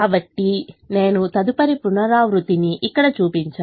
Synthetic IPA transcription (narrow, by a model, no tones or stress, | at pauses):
aːbɐʈːine̞ːnut̪ɐd̪upɐɾipunɐɾaːʋɾut̪iniʔikːɐɽɐt͡ʃuːpiɲt͡ʃaː